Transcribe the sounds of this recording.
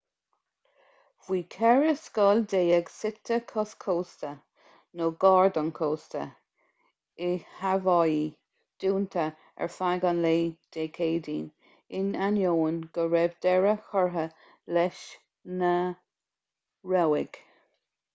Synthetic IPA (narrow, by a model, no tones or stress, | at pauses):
vwiːkʰɛɹəskɑld̪eːəɡsɪt̪ʰːəkʰɔskʰoːstə | noɡɑːɹd̪ənkʰoːst̪ə̰ | ɪhavɑji | d̪̥uːnt̪ʰə | ɛ̰ɹfaɡɑnleːd̪̥eːkʰeːd̪iːn | ɪnanjoːnɡ̥əɹɛbd̪ɛɹəxɔɹɦə | lɛʃ | nə | ɹɛwɪɡ̥